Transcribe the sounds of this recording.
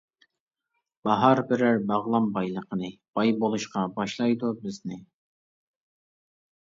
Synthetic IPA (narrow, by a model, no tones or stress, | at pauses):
b̥ɑɦɑɾbɪɾɪɾbɑʁlˠɑmbɑjlˠəqʰənɨb̥ɑjbolˠuʃqɑbɑʃlˠɑjd̪ubɪznɪ